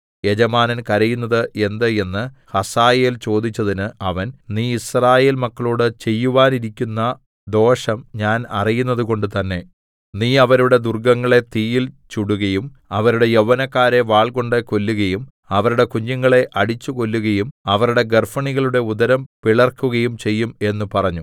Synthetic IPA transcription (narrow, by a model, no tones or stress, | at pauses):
jed͡ʑɐmaːnɐnkɐɾɐjunːɐðɨʔe̞nd̪ɐe̞nːɨ | hɐsaːjeːlt͡ɕo̞ːd̪it͡ɕːɐðinɨɐʋɐnniːisraːje̞ːlmɐkːɐɭoːɽɨt͡ɕe̞jːuʋaːniɾikʲːunːɐ | d̪o̞ːʂɐmɲaːnɐrijunːɐðuko̞ɳɖɨt̪ɐnːe̞ | niːɐʋɐɾuɽe̞d̪urɡɐŋːɐɭe̞t̪iːjilt͡ɕuɽuɣɐjum | ɐʋɐɾuɽe̞jɐʋːɐnɐkːaːɾe̞ʋaːɭko̞ɳɖɨko̞lːuɣɐjum | ɐʋɐɾuɽe̞kuɲːɐŋːɐɭe̞ʔʔɐɽit͡ɕːuko̞lːuɣɐjumɐʋɐɾuɽe̞ɡɐrfɐɳiɣɐɭuɽe̞ud̪ɐɾɐmpiɭɐrkːuɣɐjumt͡ɕe̞jːume̞nːupɐrɐɲːu